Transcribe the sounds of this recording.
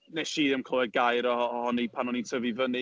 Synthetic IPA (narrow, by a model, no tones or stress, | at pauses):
nɛʃiːðɪmkʰɔwɛdɡajɾɔɔhɔnipʰanɔnintʰəvivəni